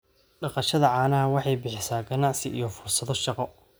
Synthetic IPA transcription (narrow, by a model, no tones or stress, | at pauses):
ɖɑqɑʃɐðɐʕɑːnɐɐwɑħɑjbɪħɪsaːɡɐnɑʕsɪʔḭjɞfʊrsɐðɔʃɑqɔ